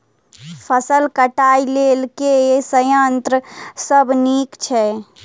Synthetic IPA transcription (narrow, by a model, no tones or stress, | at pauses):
pʰəsəlkəʈaːilelkeesəjant̪ɾəsəbʱniːkt͡ʃʰɛ